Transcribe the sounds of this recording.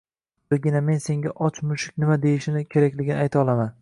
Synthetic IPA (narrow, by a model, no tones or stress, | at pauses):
ɪɡʲɪname̞nse̞ŋɡʲaʔɒt͡ʃʰmʊʃɪk̚ʲnɪmad̪e̞jɪʃɪnɪkʲʰe̞ɾakʲlɪɡʲɪnɪajt̪ʰaɒlˠaman